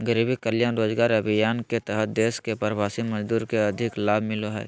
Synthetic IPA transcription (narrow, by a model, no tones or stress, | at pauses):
ɡəɾiːbikəljaːnɾoːd͡ʒɡaːɾəbʱɪjaːnket̪ɛɦət̪̚d̪eːskepəɾbaːsiməd͡ʒd̪uːɾkeɐd̪ʱɪklaːbʱmɪloɦɛ̰ː